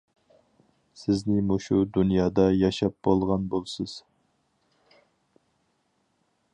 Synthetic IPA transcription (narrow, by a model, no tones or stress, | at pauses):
sɪznɪmuʃud̪unjɑːd̪ɑjɑʃɑp̚bolˠʁɑnbolˠsɨz̥